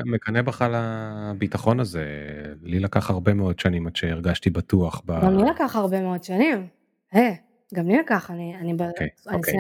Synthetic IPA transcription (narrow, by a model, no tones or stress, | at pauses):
mekanebaχalabitaχo̞nazelilakaχaʁbe̞meo̞dʃanimadʃeːʁɡaʃtibatuaχbaɡamlilakaχaʁbe̞meodʃanim | he | ɡamlilakaχanianibakeaonike